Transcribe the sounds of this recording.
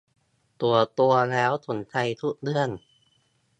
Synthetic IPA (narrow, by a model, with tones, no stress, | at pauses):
t̪u˨˩ɐt̪u˧ɐlɛː˦˥wt̪ʰu˩˦nt̪ʰa˧jt̪ʰu˦˥k̚dɯ˧˩ən